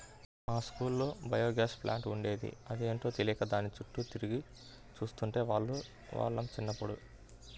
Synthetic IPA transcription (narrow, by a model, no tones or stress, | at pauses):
maːskuːlːo̞ːbɐjo̞ːɡaːʃplʔa̰ːɳʈuɳɖe̞ːd̪ḭɐd̪ieːɳʈo̞ːt̪elijɐkɐd̪aːnit͡ʃuʈːut̪iɾiɡi | t͡ʃuːst̪uɳʈe̞ːʋaːɭːu | ʋa̰ːɭːɐmt͡ʃinːɐpːuɽṵ